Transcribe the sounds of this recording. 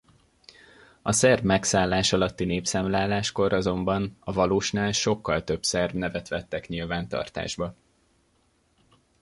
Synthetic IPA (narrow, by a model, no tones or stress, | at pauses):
ɒsɛrbmɛksaːlːaːʃɒlɒt̪ːineːpsaːmlaːlːaːʃko̞ɾɒzo̞mbɒnɒvɒloːʃnaːlʃo̞kːɒlt̪ø̞bsɛrbnɛvɛt̪ʋɛt̪ːɛkɲilvaːnt̪ɒ̰rt̪a̰ːʒbɒ